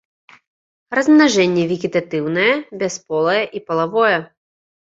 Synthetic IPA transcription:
rɐzmnaʐɛnʲːɛvʲiɡʲit̪at̪ɨwnɐjɛbʲɛspɔlˠɐjɐʔipɐlˠavɔjɛ

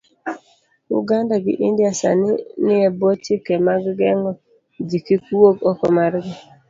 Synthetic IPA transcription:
ṵɡandaɡɪ̰ʔindjasa̰nɪnɪɛbotɪkɛmaɡɡɛŋɔ | d͡ʒikikwoɡɔkɔmaɾɡɪ

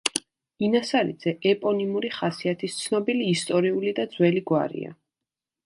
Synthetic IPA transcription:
inasaɾḭd̪z̥ɛʔɛpʼɔnimuɾiχasiat̪ʰist̪sʰnɔbiliːst̪ʼɔɾiulid̪ad̪z̥wɛliɡwa̰ɾḭa̰

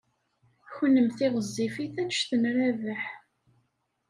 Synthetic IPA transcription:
çənːəmθiʁəzˤːifiθænʃθənɾævəħ

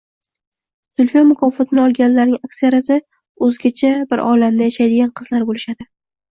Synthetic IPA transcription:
sʊlʲfijomʊkʰɒfɒt̪ʰɪnɪɒlˠɡʲanlaɾnɪŋakʲsijaɾasɪ | ɵzɡʲat͡ʃʰabɪɾʔɒlamd̪ajaʃajd̪ɪɡʲanqʰɨz̥laɾbolɪʃad̪ɪ

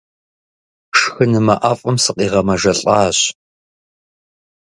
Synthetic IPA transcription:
ʂxɨnɨmɐʔafʼɐmsɨqʼiːʁɐmɐʒɐɬʼɑːɕ

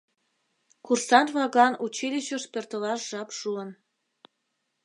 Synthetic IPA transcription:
kursɑnβlɑɣɑnut͡ɕilʲiɕəʃpørt̪əlɑʃʒɑpʃuən

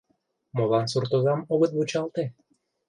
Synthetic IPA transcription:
molɑnsurt̪ozɑmoɣət̪̚but͡ɕɑlˠt̪e

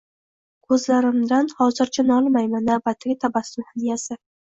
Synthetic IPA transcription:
kʰɵzlaɾɪmd̪anhɒzɪɾt͡ʃʰanɒlˠmajmanːabat̪ʰːɪɡʲat̪ʰabasɪnhanijasɪ

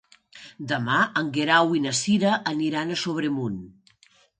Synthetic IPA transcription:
d̪əmaəŋɡeɾawinəsiɾəʔːniɾanəsoβ̞ɾemun

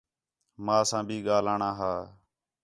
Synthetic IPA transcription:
mãːsãːbʱiːɠaːlaːɳãːɦaː

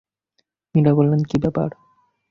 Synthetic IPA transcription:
miɾabolːenkibɛpa̰ɾ

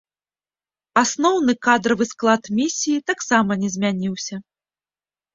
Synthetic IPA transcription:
asnɔwnɨkad̪ɾɐvɨsklˠat̪mʲisʲijːt̪aksamɐnʲɛzʲmʲanʲiwsʲɐ

